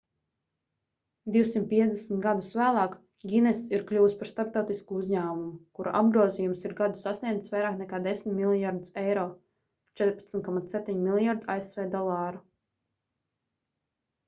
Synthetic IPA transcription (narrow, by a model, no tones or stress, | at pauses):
d̪iwsimt̪̚piɛd̪ɛsn̩ʲt̪ɡad̪usvæːlˠɑːk | ɡʲinɛsiɾklʲuːspaɾst̪aɾp̚t̪awt̪iskuuzɲæːmumukuɾa̰ʔa̰b̚ɡɾuɔzijumsiɾɡad̪usasnʲiɛd̪svajɾaːknɛkaːd̪esʲmimilˠjaɾd̪usɛjɾɔː | t͡ʃɛt̪ɾpḁt̪smʲt̪kɔmat̪ep̚ʲt̪ʲiɲmilˠjaɾd̪iaesvɛːd̪ɔlˠɑːɾu